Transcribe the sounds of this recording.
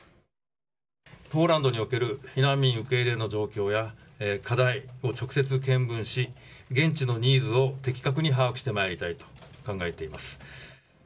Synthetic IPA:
po̞ːɾãnd̪o̞ɲ̟io̞ke̞ɾɯ̟çiɾãmʲĩɰ̃ɯ̟ke̞iɾe̞no̞d͡ʑo̞ːkʲo̞ːjakad̪aio̞t͡ɕo̞kɯ̟̥se̞t͡sɨk̬ẽ̞mbɯ̟̃ɰ̃ɕi | ɡẽ̞ɲt͡ɕino̞ɲ̟iːd͡zɨo̞t̪e̞kʲi̥kak̬ɯ̟ɲ̟iɦaːkɯ̟ɕi̥t̪e̞maeɾit̪ait̪o̥kãŋɡae̞t̪e̞imasɨ̥

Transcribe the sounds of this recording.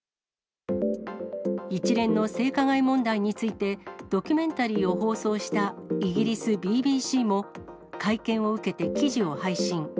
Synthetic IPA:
it͡ɕiɾẽ̞nːo̞se̞ːkaɡaimõ̞nd̪aiɲ̟it͡sɨit̪e̞d̪̥o̞kʲymẽ̞nt̪aɾʲiːo̞ɦo̞ːso̞ːɕi̥t̪aiɡʲiɾʲisɨbʲiːbʲiːɕiːmo̞ | kʰaikẽ̞ɰ̃o̞ɯ̟ke̞t̪e̞kʲiʑio̞haiɕĩŋ

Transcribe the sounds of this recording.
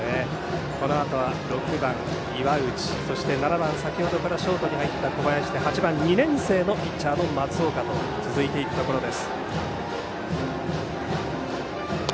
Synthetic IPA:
e | ko̞no̞at̪o̞β̞aɾo̞kɯ̟bãŋ | iβaɯ̟t͡ɕi̥so̞ɕi̥t̪e̞naɾabãɰ̃sakʲiho̞d̪o̞kaɾaɕo̞ːt̪o̞ɲ̟ihait̪ːako̞bajaɕi̥t̪e̞hat͡ɕibãɲ̟ɲːinẽ̞ɰ̃se̞ːno̞pʲit͡ɕːaːno̞mat͡sɨo̞ːkat̪o̞ | t͡sɨzɨit̪e̞ikɯ̟̥t̪o̞ko̞ɾo̞d̪e̞sɨ̥

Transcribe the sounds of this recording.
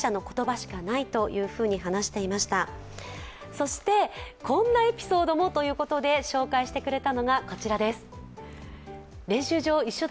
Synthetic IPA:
ɕano̞ko̞̥t̪o̞baɕi̥kanait̪o̞jɯ̟ːɸɯ̟ːɲ̟iɦanaɕi̥t̪e̞imaɕi̥t̪a | so̞ɕi̥t̪e̞kʰõ̞nːae̞pʲi̥so̞ːd̪o̞mo̞t̪o̞jɯ̟ːko̞t̪o̞d̪e̞ɕo̞ːkaiɕi̥t̪e̞kɯ̟ɾe̞t̪ano̞ɡako̞t͡ɕiɾad̪e̞sɨ̥ | ɾẽ̞ɰ̃ɕɨːʑo̞ːiɕːo̞d̪

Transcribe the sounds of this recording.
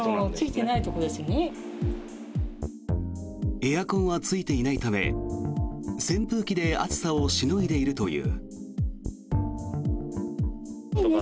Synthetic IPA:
ot͡sɨit̪enait̪o̞kod̪e̞sɨne | e̞jakõ̞ɰ̃βat͡sɨit̪e̞inait̪ame̞̰ | sẽ̞mpɯ̟ːkʲid̪e̞a̰t͡sɨ̥saoɕinoid̪e̞iɾɯ̟t̪o̞jɯ̟̰ː

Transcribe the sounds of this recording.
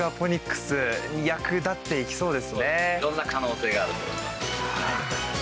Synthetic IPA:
apo̞ɲ̟ikːɯ̥sɨɲ̟ijakɯ̟d̪at̪ːe̞ikʲi̥so̞ːd̪e̞sɨne̞d̪õ̞nːakano̞ːse̞ːɡaːɾɯ̟t̪oj̰asha

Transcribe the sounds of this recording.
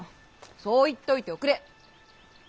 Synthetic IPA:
soːit̪ːeo̞it̪e̞okɯ̟ɾe

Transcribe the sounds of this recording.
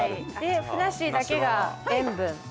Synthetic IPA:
d̪e̞ɸɯ̟naɕid̪ake̞ɡaẽmbɯ̟̃n

